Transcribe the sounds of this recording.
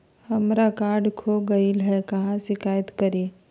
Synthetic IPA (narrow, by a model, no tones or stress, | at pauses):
hɐmɾakaːɾɖkʰoɡɐilɦɛkɐɦãʃɪkaːjət̪kɐɾeː